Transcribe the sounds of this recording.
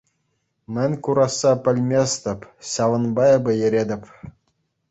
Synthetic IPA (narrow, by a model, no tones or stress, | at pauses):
mʲɘ̆nʲkuɾɑsːɑpʲɘ̆lʲmʲesʲt̪ʲɘ̆pʲɕɑʋɤ̆nbɑɘ̆bʲɘ̆jɘ̆ɾʲedʲɘ̆pʲ